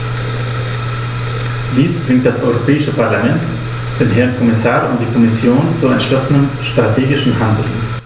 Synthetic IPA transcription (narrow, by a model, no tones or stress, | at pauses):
d̥iːst͡sv̥ɪŋkt̚d̥asʔɔʏʁ̞opʰɛːɪʃəpʰaɐlamɛnt | d̥eːnɦɛɐnkʰɔmɪsaːʁʊnt̚d̥iːkʰɔmɪsjoːnt͡suɛntʃlɔsən̩ənʃtʁ̥atʰeːɡɪʃn̩handl̩